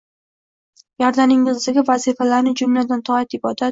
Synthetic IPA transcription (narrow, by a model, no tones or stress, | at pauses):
jɒɾd̪anɪŋɪzzɪɡʲavazifalaɾnɪd͡ʒʊmlad̪ant̪ʰɒat̪ɪbɒd̪at̪